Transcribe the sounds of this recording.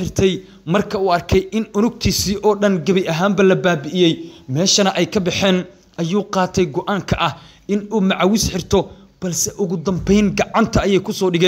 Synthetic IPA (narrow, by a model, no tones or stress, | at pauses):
ħɪrt̪ʰɛj | mɐrkʰɐuːɐrkʰɛjʔɪnʊnʊɡ̚t̪ʰiːsiːʔɔːɗɐnɡɐβɛjʔɐɦaːmbɐlɐbaːbɪʔɪjɛjmɛːʃɐnɐʔɛjkʰɐbɪħɛːn | ʔɐjuːqɑːt̪ʰɛjɡɔʔaːŋkʰɐʔɐh | ʔɪnuːmɑʕwɪsħɪrt̪ʰɔ | b̥ɐlsɛʔʊɣʊd̪ɐmbɛjnɡɑʕɑnt̪ʰɐɐjɛjkʰʊsɔːɖɪɣɛː